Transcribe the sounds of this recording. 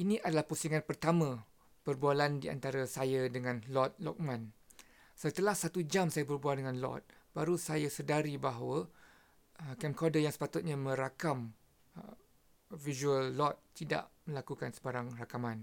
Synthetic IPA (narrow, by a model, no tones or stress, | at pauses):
ʔinĩʔadalahpusiŋãnpərt̪amã | pərbualandiʔa̰nt̪aɾasajadəŋãnlɔt̪̚lɔ̰k̚mãn | sət̪əlahsat̪ud͡ʒamsajabərbualdəŋãnlɔ̰t̪̚ | b̥aɾusajasədaɾibaɦwə | əkɛmkɔdəjaŋsə̥pat̪ʊt̪̚ɲamə̃ɾakam | vizuəlːɔt̪̚ːida̰ʔmə̃lakukansəbaɾaŋrakamãn